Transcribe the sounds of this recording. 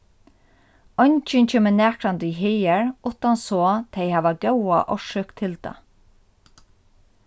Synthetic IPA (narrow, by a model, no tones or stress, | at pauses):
ɔɲt͡ʃɪnt͡ʃʰeːmənæːkɾant̪ʏiɦejɛɹʊt̪ansoːt̪ʰeɪhaːʋaɡɛwa̰ʔɔʃʏkt̪ʰɪlt̪a̰